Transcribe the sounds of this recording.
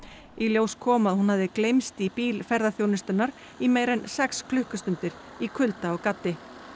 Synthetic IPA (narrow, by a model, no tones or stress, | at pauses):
iljowskʰɔːmaðhunhavðɪklejmst̪ipiːlfɛɾðaθjownʏst̪ʏnːaɾ̥ | imeːjɾɛnsɛkskʰlʏhkʏst̪ʏnt̪ɪɾ | ikʰʏlt̪aɔɣkat̪ːɪ